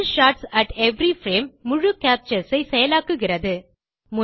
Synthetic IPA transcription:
lʃaːʈsɐʈɛʋɾifɾeːmːʊɻɯkaːp̚t͡ʃɐsɐɪsɛjɐlaːkːɯɣɪrɐðɯ | mʊ

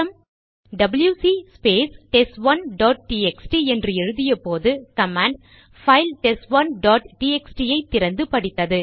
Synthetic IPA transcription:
ɐm | ɖɐbɐljuːsispeːsʈɛsʋɐnɖɔːʈ̚ʈiːɛksʈiɛndrɯɛɻɯðɪjɐpoːðɯkɐmaːɳɖ | fɐɪlʈɛsʋɐnɖɔːʈʈiːɛksʈijɐɪt̪ːɪɾɐnd̪ɯpɐɽɪt̪ːɐðɯ

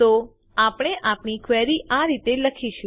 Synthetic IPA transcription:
t̪o | apəɽ̃eʔapnikʰʋɛɾiʔaɾit̪eləkʰiʃ

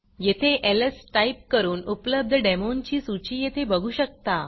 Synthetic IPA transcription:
jet̪ʰeʔeləsʈaip̚kəɾuːnupləb̚d̪ʱəɖemont͡ɕiːsut͡ɕiːjet̪ʰebəɡʱuːɕək̚t̪a

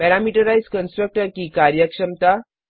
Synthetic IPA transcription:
bɛɾamiʈəɾajzkənsʈɾək̚ʈəɾkiːkaɾjəkʂəmt̪a

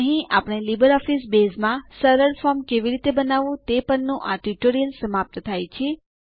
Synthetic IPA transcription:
əɦĩapəɽ̃elibəɾɔfisbezmãsəɾəɾfɔɾmkeʋiɾit̪ebənaʋũt̪epəɳnũʔaʈiʈoɾijəlsəmap̚t̪ət̪ʰajt͡ʃʰe

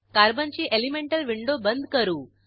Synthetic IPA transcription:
kaːɾbɐnt͡ʃiʔelimeɳʈɐlʋiɳɖoːbɐnd̪kɐɾu

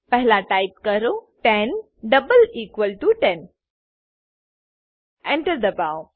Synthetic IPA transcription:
pɛɦlaʈajp̚kəɾoʈɛn | ɖəbəliːkʋəlʈuʈɛ̃n | ɛ̃ɳʈəɾd̪əbaw

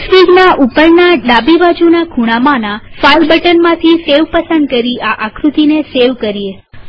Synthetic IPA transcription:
spiɡnaʔupəɾnaɖabibad͡ʒunaɡʱuɽ̃amanafalbəʈənmãt̪ʰiseʋpəsənd̪̚kəɾiaʔakʰɾut̪ineseʋkəɾie

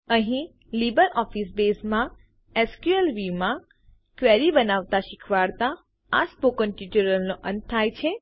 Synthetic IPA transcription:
əɦĩ | libəɾɔfisbesmã | ɛskuəlʋimã | kʋɛɾibənaʋt̪aʃɪkʰʋaɽt̪a | aspokənʈit͡ʃuɾəlnoʔə̃nt̪ʰːajt͡ʃʰe

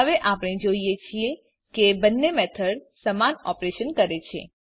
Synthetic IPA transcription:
əʋeʔapɽ̃ed͡ʒoijet͡ʃʰie | kebənːemɛt̪ʰəɽsəmanɔpɾeʃənkəɾet͡ʃʰḛ

